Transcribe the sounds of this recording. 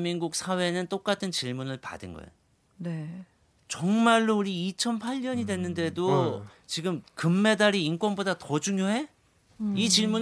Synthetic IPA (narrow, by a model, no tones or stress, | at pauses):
miŋɡuk̚sʰawe̞nɯnt͈ok͈atʰɯnt͡ɕiɭmunɯɭpa̰dɯnɡʌ̰ḛo | ne | t͡ɕʌŋmaɭːouɾiːt͡ɕʰʌnpʰaʎːʌɲidwe̞nːɯnde̞do | t͡ɕiɡɯmkɯmːe̞daɾiːnkwʌnbodatʌd͡ʑuŋjoɦe̞ | it͡ɕiɭmun